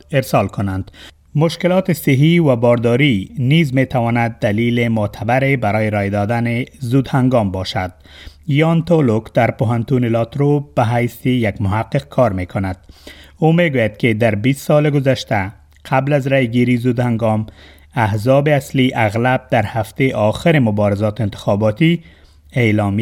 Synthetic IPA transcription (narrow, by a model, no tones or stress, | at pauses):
ɪɾsɔlkʊnand̪ | mʊʃkɪlɔt̪ɪsɪɦiwabɒɾd̪ɔɾinizmet̪ʰawɔnad̪ːalilɪmʊt̪ʰabaɾebaɾɔjeɾɔjd̪ɔd̪anɪzud̪haŋɡɔmbɔʃad̪̥ | jɔnt̪olʊkd̪̥aɾpʊɦant̪unɪlɔt̪ɾob̥aɦajsijaɡmʊɦaqːɪq̚kʰɔɾmekʰʊnad̪̥omeɡojad̪kɪd̪aɾbist̪sɔlɪɡʊzaʃt̪a | qʰablazɾajɡiɾizud̪haŋɡɔm | ahzɔbɪasliʔaɣlab̚d̪aɾhaft̪eʔɒxɪɾɪmʊbɔɾɪzɒt̪ɪnt̪ɪ̥xɒbɔt̪i | eːlɔmi